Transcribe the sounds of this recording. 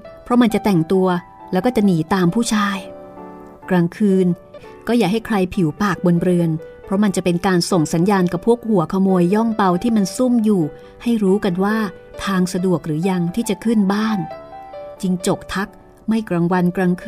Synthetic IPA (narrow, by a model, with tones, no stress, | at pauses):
pʰɾɔ˦˥ma˧nt͡ɕa˨˩t̪ɛ˨˩ŋt̪u˧ɐ | lɛː˦˥wkɔː˥˩t͡ɕa˨˩ʔniː˩˦t̪aː˧mpʰuː˥˩t͡ɕʰaː˧j | kɾaː˧ŋkʰɯː˧n | kɔː˥˩jaː˨˩k̚ɦa˥˩jkʰɾa˧jpʰi˩˦wpaː˨˩k̚bo˧nɾɯ˧ən | pʰɔ˦˥ma˧nt͡ɕa˨˩pe˧nkaː˧nso˨˩ŋsa˩˦njaː˧nka˨˩pʰːu˥˩ək̚hu˩˦ɐkʰa˧moː˧jːɔ˥˩ŋpa˧wt̪ʰiː˥˩ma˧nsu˥˩mjuː˨˩ | ha˥˩jɾuː˦˥ka˧nwaː˥˩ | t̪ʰaː˧ŋsa˧du˨˩ək̚ɾɯː˩˦ja˧ŋt̪ʰiː˥˩t͡ɕa˨˩kʰɯ˥˩nbaː˥˩n | t͡ɕi˧ŋt͡ɕo˨˩k̚t̪ʰa˦˥k̚ | ma˥˩jkɾa˧ŋwa˧nkɾaː˧ŋkʰ